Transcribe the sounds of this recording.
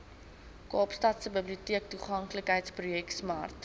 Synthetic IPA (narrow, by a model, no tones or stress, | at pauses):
kɑːpstɐtsəbəbliutiək̚tuχɐŋkləkɦəjtsprujɛksmɑ̰rt